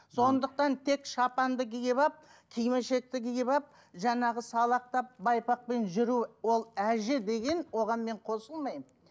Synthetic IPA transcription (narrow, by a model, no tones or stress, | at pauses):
so̞nd̪əq̚t̪ɑnt̪ʰe̞kʃɑpɑnd̪əɡʲiɡʲebɑp̚ | kʲʰijme̞ʃe̞k̚t̪ɪɡʲeɡʲebɑp̚ | ʒɑɴɑʁəsɑlˠɑq̚t̪ɑp̚bɑjpɑq̚pe̞nʒɪɾuwo̞lˠæʒɪd̪e̞ɡʲe̞nwo̞ʁɑnme̞ɴqʰo̞səlˠmɑjm